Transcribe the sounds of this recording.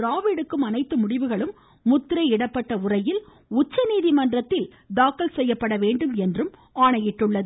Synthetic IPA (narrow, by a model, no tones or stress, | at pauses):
ɾaːʋɪɽɯkːɯmɐnɐɪt̪ːɯmʊɽɪʋɯɣɐɭɯmː | ʊt̪ːɪɾɐɪɪɽɐpːɐʈːɐʊrɐjɪl | ʊt͡ʃːɐniːðimɐndrɐt̪ːɪl | d̪aːkːɐlsɛjːɐpːɐɽɐʋeːɳɖɯmɛndrɯm | aːɳɐjɪʈːɯɭːɐðɯ